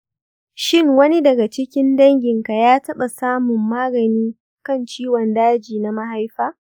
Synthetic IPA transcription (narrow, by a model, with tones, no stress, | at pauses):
ʃɪ˦˨ŋwɐ˦ni˦dɐ˨ɡa˨t͡ʃɪ˦kʲɪ˦ndɐ˦ŋɡʲɪ˨ŋka˨jaː˦tɐ˦ɓa˨saː˦mʊ˨mːaː˦ɡɐ˨niː˦ | kɐ˦˨nt͡ʃiː˦wɔ˨ndaː˦d͡ʒiː˨na˦mɐ˦ɦa˦jɸaː˦